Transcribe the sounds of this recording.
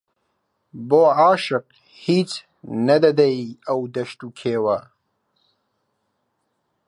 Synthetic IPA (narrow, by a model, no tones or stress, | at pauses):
boːaːʃɪq | hit͡s | nɐd̪ɐd̪ajiawd̪ɐʃt̪ukʰeːwa